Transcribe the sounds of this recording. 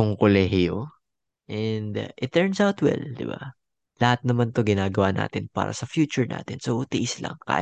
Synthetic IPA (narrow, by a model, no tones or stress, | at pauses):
ʊŋkolɛɦɪjo | ʔɛnd̪ʔɪt̪ːɛɹnsawt̪wɛ̰ld̪ɪ̰ba | lɐhat̪̚nɐmant̪o̞ɡɪnaːɡɐwana̰ːt̪ɪnpa̰ːɾʔɐ̰sɐfjuːt͡ʃʊɹna̰ːt̪ɪnsoʔʊt̪ɪʔɪslɐ̰ŋka̰ːj